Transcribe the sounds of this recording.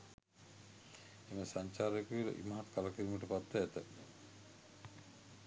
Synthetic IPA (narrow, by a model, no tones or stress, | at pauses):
eməsaɲt͡ʃaːɾekuilɐ̰ʔḭmaɦat̪kalakiɾiməʈəpat̪ːəɛt̪ə